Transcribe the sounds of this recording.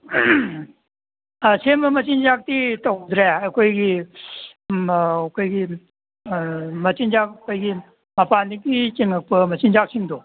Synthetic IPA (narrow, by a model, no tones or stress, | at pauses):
semɐmɐt͡ʃind͡ʒak̚t̪itawd̪ɾajɐkʰojɡi | kʰojɡi | mɐt͡ʃinzakkʰojɡi | mɐpandik̚it͡ʃeŋɐk̚pɐmɐt͡ʃind͡ʒak̚sʰiŋd̪o